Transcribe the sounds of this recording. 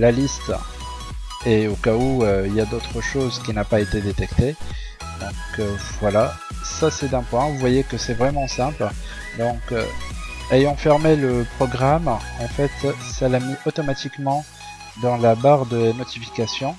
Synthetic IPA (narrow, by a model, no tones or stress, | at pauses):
lalist̪ | eokauøiljad̪ot̪χəʃozkʲinapaet̪ed̪et̪ɛkt̪e | d̪̥ɔ̃køvwala | sasɛt̪ɛ̃pwɛ̃vuvwajekəsɛvʁɛmɑ̃sɛ̃pl | d̪ɔ̃kø̰ejɑ̃fɛʁmeləpχɔɡʁamɑ̃fɛt̪salamiʔot̪ɔmat̪ikmɑ̃ | d̪ɑ̃labaʁd̪ənɔt̪ifi̥kasjɔ̃